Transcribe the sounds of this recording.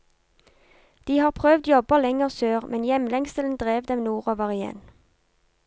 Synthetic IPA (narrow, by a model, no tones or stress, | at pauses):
d̪̥iːhɑːʁpʰʁøːʋd̪jɔbəlɛŋəʁsøːʁmʔɛnjɛmlɛŋsəln̩d̪ʁeːʋd̪ɛmnuːʁoːʋəʁɪjɛ̰n